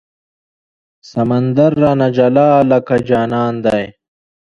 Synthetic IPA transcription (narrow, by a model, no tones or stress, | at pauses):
sɐmɐnd̪ɐɾːanɐd͡ʑɐlaːlɐkɐd͡ʑaːnaːnd̪aj